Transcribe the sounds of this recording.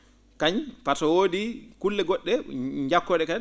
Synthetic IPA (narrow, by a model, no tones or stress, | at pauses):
kaɲpatɔwoːdikulːɛɡɔɗːɛɲd͡ʒakːɔɗɛka